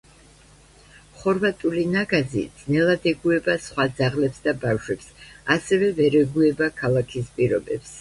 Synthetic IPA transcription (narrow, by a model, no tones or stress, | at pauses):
χɔɾvat̪ʼulinaɡazḭd̪z̥nɛlˠad̪ɛɡuɛbasχwad̪zaʁlɛpsd̪abafʃwɛpsasɛvɛvɛɾɛɡuɛbakʰalˠakʰispʼiɾɔbɛps